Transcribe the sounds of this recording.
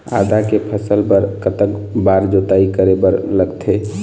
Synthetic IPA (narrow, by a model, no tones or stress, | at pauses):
a̰d̪akepʰəsəlpəɾkət̪əkbaɾd͡ʒot̪aikəɾebəɾləɡt̪ʰe